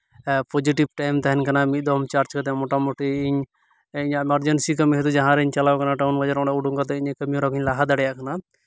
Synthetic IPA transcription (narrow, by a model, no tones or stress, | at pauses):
pɔd͡ʒiʈibʈajmt̪ɛɦɛnkanamid̪ɔmt͡ʃaɾt͡ʃkat̪ɛmɔʈamoʈiiɲ | iɲaɛmaɾd͡ʒɛnsikəmiɦɛt̪ud͡ʒaɦãɾɛiɲt͡ʃalawkanaʈaunɡɔd͡ʒaɾɔɽaʔuɖuŋkat̪̬ɛiɲkəmijuɾakiɲlaɦad̪aɽɛjaʔkana